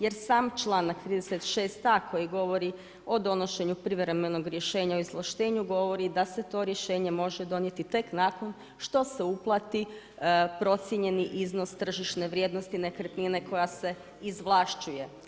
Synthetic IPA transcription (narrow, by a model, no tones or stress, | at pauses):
je̞ɾsaːmt͡ʃlˠaːnakt̪ɾiːd̪eset̪ʃe̞ːst̪akʰo̞jiɡo̞ʋo̞ɾi | o̞d̪o̞no̞ʃe̞ɲupɾiʋɾeme̞no̞ɡɾjeʃe̞ːɲaoizlˠaʃt̪e̞ːɲuɡo̞ʋo̞ɾid̪ase̞t̪o̞ːɾje̞ʃe̞ːɲemo̞ʒed̪o̞nje̞t̪it̪e̞knako̞n | ʃt̪o̞se̞uplˠat̪i | pɾo̞t̪sjeɲe̞niʔizno̞st̪r̩ʒiʃne̞ʋɾʲje̞d̪nost̪ine̞kɾt̪nine̞ko̞jase̞ | izʋlˠaʃt͡ʃuje̞